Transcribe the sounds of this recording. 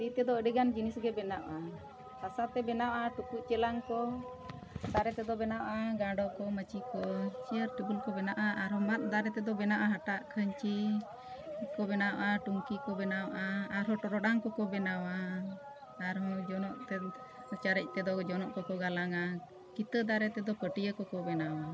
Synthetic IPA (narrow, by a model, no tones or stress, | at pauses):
ɾit̪ɛd̪ɔəɖiɡand͡ʒinisɡɛbɛnaʔʔa | sasat̪ɛbɛnawʔaʈukuʔt͡ʃɛlaŋkɔ | d̪aɾɛt̪ɛd̪ɔbɛnawʔaɡaɖɔʔkɔmət͡ʃikɔt͡ʃiəɾʈəbulkɔbɛnaʔaʔaɾɦɔmat̪̚d̪aɾɛt̪ɛd̪ɔbɛnaʔaɦaʈaʔkʰəɲt͡ʃi | kɔbɛnawʔaʈuŋkikɔbɛnawʔaaɾɦɔʈɔɾɔɖaŋkɔkɔbɛnawaː | ɾɦɔ̃d͡ʒɔnɔʔt̪ɛ | t͡ʃaɾɛc̚ˀt̪ɛd̪ɔd͡ʒɔnɔʔkɔkɔɡalaŋa | kit̪əd̪aɾɛt̪ɛd̪ɔpəʈijəkɔkɔbɛnawa